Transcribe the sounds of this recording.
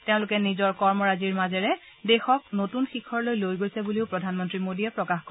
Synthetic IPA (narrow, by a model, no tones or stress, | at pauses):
teʊ̃lʊkɛnizɔɹkɔɹmɔɹaziɹmazɛɹɛ | dɛxɔk̚notunxikʰɔɹlojlojɡojsɛbuliʊpɹɔdʱanmɔntɹimodijɛpɹɔkaxkɔ